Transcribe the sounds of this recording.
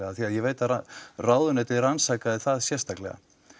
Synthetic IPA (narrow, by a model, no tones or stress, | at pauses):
ɛɣaθiaðjɛveːjt̪aaraːwðʏnɛt̪ɪðransaːkaðɪθaðsjɛrst̪aklɛɣa̰